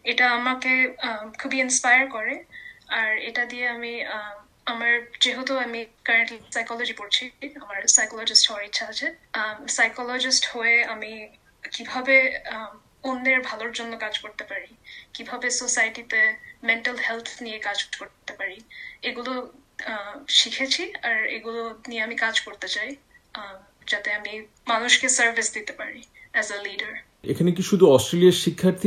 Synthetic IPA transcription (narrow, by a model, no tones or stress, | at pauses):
eʈaamakekʰubiinspajəɹkɔɹeaɹeʈad̪ieami | amaɹd͡ʒeɦot̪uamikəɹeɳʈlisajkɔlɔd͡ʒipoɹt͡ʃʰiamaɹsajkɔlɔd͡ʒisʈhɔɹitːʃʰaɦat͡ʃʰesajkɔlɔd͡ʒisʈhoeami | kibʱabe | ond̪eɹbʱaloɹd͡ʒonːokad͡ʒkoɹt̪epaɹikibʱabesosajʈit̪emeɳʈalhelt̪ʰnijekad͡ʑkoɾt̪epaɾieɡulo | ʃikʰet͡ɕʰiaɾḛɡulonijeamikad͡ʑkoɾt̪et͡ɕaj | d͡ʑat̪eami | manuʃkesəɾvʱisd̪it̪epaɾiɛzeliɖəɾ | ḛkʰanek̬iʃud̪ʱuɔsʈɾelijaɾʃikʰːaɾt̪ʰi